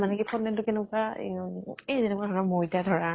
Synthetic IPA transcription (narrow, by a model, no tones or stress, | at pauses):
manɛkipʰɔnːɛntʊkɛnɛka | ɛzɛnɛkadʱɔɹamojtadʱɔɹa